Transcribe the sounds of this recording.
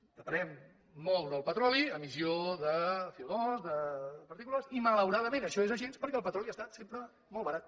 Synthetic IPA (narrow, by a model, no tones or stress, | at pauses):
d̪̥əpəɾɛmː | ɔlˠd̪əlˠpət̪ɾɔliəmizioðəfilˠnozðəpəɾt̪ikulasimələwɾaðəmẽnəʃɔezəʒenspəɾkɛəlˠpət̪ɾɔliast̪at̪sempɾə | mɔlˠβəɾat̪̚